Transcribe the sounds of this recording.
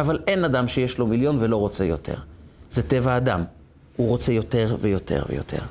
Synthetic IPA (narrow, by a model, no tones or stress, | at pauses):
avale̞nad̪amʃejeʃlo̞miljo̞nvelo̞ʁot͡se̞jo̞̰t̪ʰe̞̰ʁzet̪e̞vaːd̪a̰m | uʁo̞t͡se̞jo̞teʁvejo̞tʰḛʁvḛjo̞̰t̪ʰe̞̰ʁ